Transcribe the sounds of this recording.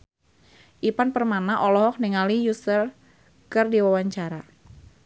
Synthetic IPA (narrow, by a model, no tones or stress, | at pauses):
ʔipanpərmanaʔɔlɔɦɔk̚niŋalijusəl | kɨrdiwawaɲt͡ʃaɾa